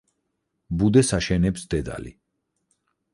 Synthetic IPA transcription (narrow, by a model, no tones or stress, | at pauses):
bud̪ɛsaʃɛnɛpsd̪ɛd̪a̰lḭ